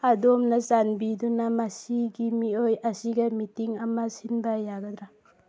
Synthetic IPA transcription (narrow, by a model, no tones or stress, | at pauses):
adomnazanbidunamasiɡimiojasiɡamitiŋɐmasinbajaɡɐd̪ɾa